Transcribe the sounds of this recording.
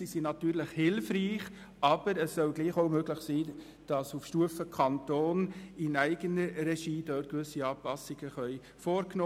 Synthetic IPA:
sisinɑtyːɾləχhɪlfriːχ | ʔɑb̥əɾəssœlɡliːχoʊmøɡləχsiː | d̥ɑsufʃtuəfəkʰɑntoːnɪnæɪɡənəɾɛʃiːdøːt̚kʋʏsiɑːpɑsɪɡ̥əχœʏ | foːɾknoː

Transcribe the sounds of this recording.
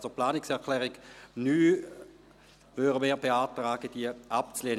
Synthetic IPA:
soplaːnɪksɛɐkʰlɛːʁiɡnyː | vøʁəmeːɐbeaːtʁaːɡ̥əd̥iəʔap̚t͡sleːn

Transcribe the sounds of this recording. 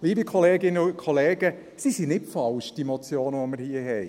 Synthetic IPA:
liːbikʰɔleːɡɪnəʊkʰɔleːɡə | sisinɪtfɑlʃd̥imot͡sjoːnəʋɔməɾhiːəɦɛɪ

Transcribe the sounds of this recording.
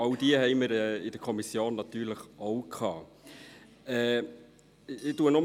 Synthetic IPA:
ɑwd̥iəhɛɪməɾɛːɪd̥əkʰɔmisjoːnːɑt̪yːɾləχowkʰɑː | ɛː | ɪtuənɔ

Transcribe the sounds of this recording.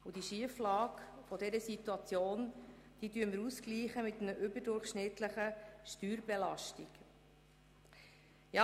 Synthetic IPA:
ud̥iʃiəflɑːkfɔd̪ɛɾəsit̪uɑt͡sjoːn | d̥iːdyːəməɾuskliːχəmɪt̪nəʔʏbədʊɾχʃnɪt̪ləχəʃtyːɾbɛlɑʃtḭk | jɑ

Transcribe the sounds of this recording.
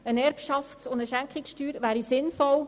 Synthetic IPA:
ənɛɾpʃɑftsʊndəʃæŋkχɪksʃtyːɾʋæːɾisɪnfɔl

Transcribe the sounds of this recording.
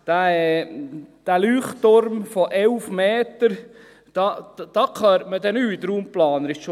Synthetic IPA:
d̥æ | d̪̥ælyːχoɾmfɔʔɛlfmeːt̪əɾ | d̥ɑd̥ɑkʰɑɾməd̪ɛnyːd̪ɾuːmplɑːnəɾɪʃʃo

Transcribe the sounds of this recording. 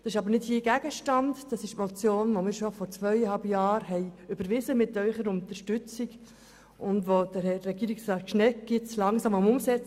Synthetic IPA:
d̥ɑsɪʃɑbəɾnɪdhiəɡ̥æɡ̥əʃtɑndd̥ɑsɪʃtmɔt͡sjoːnʋomɪːɾʃɔfɔɾt͡sʋœjəhɑlbjɑːɾɦɛɪʏb̥əɾʋɪzəmɪtœʏχəɾʊntəɾʃtʉt͡sik | ʔʊndʋod̥əɾɛːɛɡiːɾiksɾɑʃnɛɡ̥ɪt͡slɑŋsɑmʊmʊmsɛt͡s

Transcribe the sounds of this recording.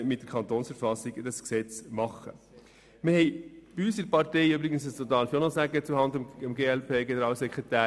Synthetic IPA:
mɪt̚d̥əɾkʰɑnt̪oːnsfəɾfɑsiɡd̥ɑsksɛt͡smɑχə̰ | mɪhɛɪb̥iysəɾpɑɾtɛɪybɾɪɡənsəsot̪ɑːnfjonɔsæɡət͡suhɑnd̪əməmɡeːɛlpʰeːɡɛnəɾɑːlsɛkʁɛtæː

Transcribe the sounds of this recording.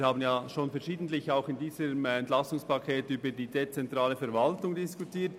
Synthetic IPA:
haːbən̩jaːʃoːnfɛɾʃiːdn̩tlɪçaʊxɪndiːzəmɛntlasʊŋspakʰeːtyːbədiːdet͡sɛntɾaːləfɛɾvaltʊŋdɪskutʰiːt

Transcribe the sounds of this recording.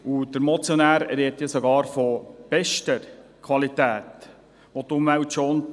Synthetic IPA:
ud̥əɾmɔt͡sjɔnæːɾɛɾɛtjasɔɡɑːɾfɔb̥ɛʃtəɾkʰʋɑlit̪æːt̪ | ʋot̪ʊmʋæwtʃoːn

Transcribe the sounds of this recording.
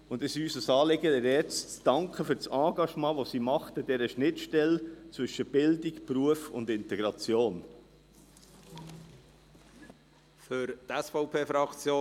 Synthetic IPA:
ʊndɪsyːsəsɑːlɪɡədɛɾɛt͡st͡sd̥ɑŋkχəfyɾt͡sɑ̃ːɡɑʃmɑ̃ːʋosiːmɑχtəd̥ɛɾəʃnɪtʃtɛlt͡sʋʏʃəb̥ɪldikpɾuəfʊ̰ndɪntɛɡ̥ɾɑt͡sjoːn | fʏɾt̪ɛsfɔʊpʰeːfɾɑkt͡sjoː

